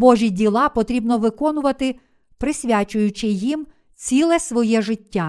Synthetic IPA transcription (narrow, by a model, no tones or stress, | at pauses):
bɔʒʲidʲilˠɑpɔt̪ɾʲibnɔʋɪkɔnʊʋɐt̪ɪ | pɾɪsʲʋʲat͡ʃʊjʊt͡ʃɪjim | t͡sʲilˠɛsʋɔjɛʒɪtʲːa